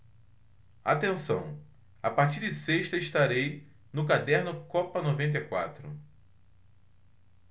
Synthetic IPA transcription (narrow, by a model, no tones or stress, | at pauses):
at̪ẽsɐ̃w̃ | apaɾt͡ʃiɾd͡ʒɪseʃt̪ɐɪʃt̪aɾej | nʊkad̪ɛɾnʊkɔpɐnovẽnt̪̬ejkwa̰t̪ɾʊ̰